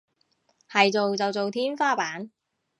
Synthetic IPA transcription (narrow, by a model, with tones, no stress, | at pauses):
hɐ˨jt͡so˨wt͡sɐ˨wt͡so˨wt̪ʰiː˥nfaː˥paː˨˥n